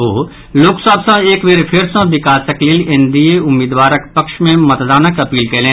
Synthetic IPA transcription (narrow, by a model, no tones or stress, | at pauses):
oː | loːksaːbsãeːkʋeːɾepʰɪɾsãbɪkaːsəkliːlɪ̃nd̪ijeʊmːiːd̪ʋaːɾəkpɐkʃmẽmɐt̪d̪aːnəkɐpiːlkeːlẽː